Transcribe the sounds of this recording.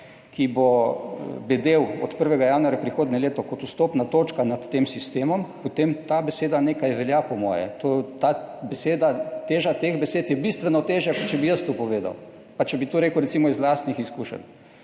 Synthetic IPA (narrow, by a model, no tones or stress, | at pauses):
kʰibo | bɛd̪ewɔ̰t̪pəɾʋɛɡajaːnuaɾjapɾixoːd̪nɛleːt̪ɔkɔt̪ust̪oːpnat̪oːt͡ʃkanat̪ːeːmsist̪eːmɔmpot̪emt̪abɛseːd̪aneːkajʋɛljapɔmɔ̰ːjɛ̰t̪ot̪abɛseːd̪at̪eːʒat̪eɣbɛseːt̪jɛbist̪ʋɛnɔt̪eːʒjakɔt̪t͡ʃɛbijəst̪opɔʋeːd̪a̰w | pat͡ʃɛbit̪uɾeːkəwɾɛt̪simɔizlast̪nixiskuːʃə̰n